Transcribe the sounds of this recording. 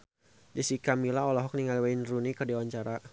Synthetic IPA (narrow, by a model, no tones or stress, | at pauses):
d͡ʒəsikamilaɔlɔɦɔk̚niŋalwainrunikərdiawaɲt͡ʃaɾa